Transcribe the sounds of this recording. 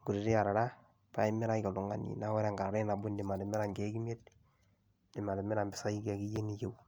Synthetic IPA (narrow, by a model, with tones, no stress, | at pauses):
ŋɡu˨ɾi˨ɾe˦a˨ɾa˨ɾa˦ | pa˨˦i˦mɪ˦ɾa˦jɔ˨lu˨ŋa˨nḭ˨na˦wɛ˦ɾa˨ŋɡa˨ɾa˨ɾe˦na˨bʊ˦ndi˨ma˨le˨mɪ˦ɾa˨ŋɡe˦ɡi˦me˦t̚ | ndɪ˨ma˨le˨mɪ˦ɾa˨mbɪ˨sa˦i˦ka˨ki˦je˦ni˨je˨w